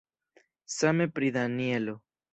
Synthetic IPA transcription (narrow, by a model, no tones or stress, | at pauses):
same̞pɾid̪anielo